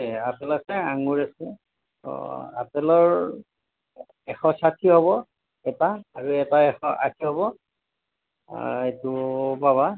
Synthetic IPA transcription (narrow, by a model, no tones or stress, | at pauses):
ɛapɛlakɛaŋuɹasɛ̰ | a̰pɛlɔɹ | ɛxɔsakʰiɦɔβɔ | ɛtaːɹuɛtaɛxɔʔa̰kʰiɦɔβɔ | etupaβa